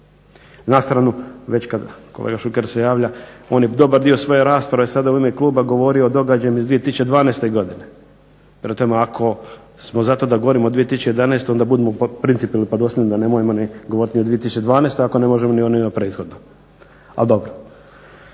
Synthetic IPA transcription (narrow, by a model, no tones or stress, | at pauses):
nast̪ɾanuʋe̞t͡ɕkad̪kolḛːɡaʃukeɾsejaːʋʎao̞ːnjed̪o̞baɾd̪iosʋo̞je̞ɾaːspɾaʋesad̪auimeklˠuːbaɡo̞ʋo̞ɾioːd̪o̞ɡad͡ʑajemizd̪ʋiːe̞t̪isut͡ʃed̪ʋaːnest̪e̞iɡo̞d̪ine | pɾet̪omeakʰo̞ | smozat̪o̞d̪aɡoʋo̞ɾimod̪ʋiet̪isut͡ʃejed̪anest̪oond̪abud̪emopɾint̪ipilipod̪osʲenod̪anemojemoniɡooɾit̪niod̪ʋiet̪isut͡ʃed̪ʋaːnest̪ojako̞ne̞moʒemonionimapɾeːt̪xo̞d̪no | a̰ld̪o̞bɾo